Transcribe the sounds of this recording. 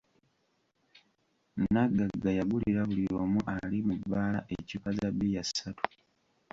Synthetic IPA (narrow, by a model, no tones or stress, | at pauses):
naɡːaɡajaɡuliɾaβuliɾoːmuʔalimubːaːla̰ʔecukazabijasatu̥